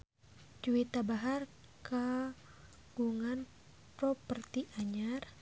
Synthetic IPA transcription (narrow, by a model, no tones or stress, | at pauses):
d͡ʒuit̪abaɦar | ka | ɡ̥uŋan | pɾɔpərt̪iʔaɲar